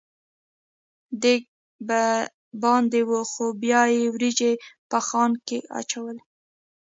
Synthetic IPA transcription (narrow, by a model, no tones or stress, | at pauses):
d̪ek̚ | ba | bɑnd̪ewəxobjɑjewɾid͡ʒepəxɑnkeɑ̰t͡ʃawəl